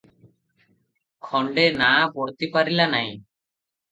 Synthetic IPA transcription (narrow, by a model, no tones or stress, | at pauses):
kʰɔɳɖenabɔɽt̪ipaɾilanaj̃